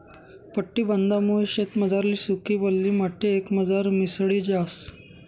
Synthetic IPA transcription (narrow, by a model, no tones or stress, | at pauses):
pəʈːiːbənd̪amuɕet̪məd͡zaɾliːsukiːbəlːiːmaʈʰːeːkməd͡zaɾmisɽid͡ʑas